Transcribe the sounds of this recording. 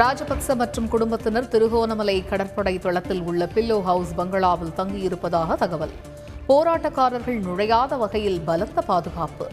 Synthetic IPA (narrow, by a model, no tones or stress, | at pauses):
ɾaːd͡ʒɐpɐksɐmɐʈrɯmkʊɽʊmbɐt̪ːɪnɐɾt̪ɪɾɯɣoːnɐmɐlɐjɐɪkːɐɽɐɾpɔɽɐɪt̪ɔɭɐt̪ːɪlʊɭːɐpɪlːoːɦɐʊsbɐŋɡɐɭaːʋɪlt̪ɐŋɡɪjɪɾɯpːɐðaːɣɐt̪ɐɣɐʋɐl | poːɾaːʈːɐkːaːɾɐɾɣɐɭnʊɻɐjaːðɐʋɐɣɐjɪlbɐlɐt̪ːɐpaːðɯɣaːpɯ̰